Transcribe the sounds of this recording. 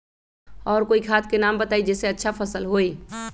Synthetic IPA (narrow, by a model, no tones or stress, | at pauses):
ɔːɾkoːikʰaːt̪ʰkenaːmbət̪aːid͡ʒɛːseətːʃʰapʰəsəlɦoi